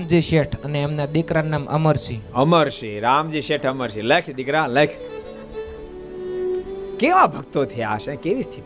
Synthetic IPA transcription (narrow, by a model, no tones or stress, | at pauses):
md͡ʒiʃeʈʰəneːmnad̪ikɾanamʔə̰məɾʃiəməɾʃiɾamd͡ʒiʃeʈʰəməɾʃiləkʰd̪ikɾaləkʰ | keʋabʱəɡ̚t̪ot̪ʰeaʃɛ̃keʋist̪ʰit̪